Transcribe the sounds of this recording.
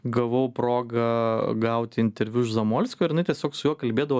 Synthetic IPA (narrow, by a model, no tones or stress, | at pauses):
ɡɐʋɐʊpɾoːɡɐɡɐʊt̪ʲɪɪnʲt̪ʲɛɾʲʋʲuʃzɐmoːlʲsʲkʲoːɪɾɪnɐɪt̪ʲiɛsʲoːksʊjuɔkɐlʲbʲeːd̪ɐʋoː